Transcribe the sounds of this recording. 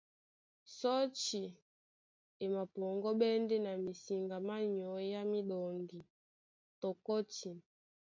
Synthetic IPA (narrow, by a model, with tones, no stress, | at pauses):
sɔ˦t͡ʃi˨ | e˨ma˨pɔ˨ŋɡɔ˦ɓɛ˦ndɛ˦na˨mi˨si˨ŋɡa˨ma˦ɲɔ˨˦ja˦mi˦ɗɔ˨ŋɡi˨ | tɔ˨kɔ˦ti˨